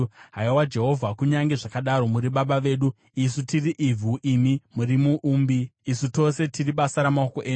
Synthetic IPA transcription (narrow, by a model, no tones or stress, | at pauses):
ɦaiwad͡ʒe̞ɦo̞vʱakuɲaŋɡe̞ʐakaɗaɾo̞muɾiɓaɓaʋe̞ːɗu | isutiriʔivʱuʔimimurimuʔuːmbiisuto̞se̞tiriɓasaɾamaoko̞ʔeːɲ